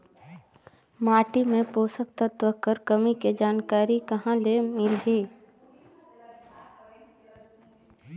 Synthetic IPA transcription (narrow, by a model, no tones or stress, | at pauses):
maːʈimẽpoːsəkt̪at̪ʋəkəɾkəmiked͡ʒaːnkaːɾikəɦãlemɪlɦiː